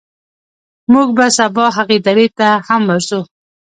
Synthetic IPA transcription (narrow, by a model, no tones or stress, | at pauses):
muɡ̚basabɑɦaqid̪aɾit̪ahamːaɾsu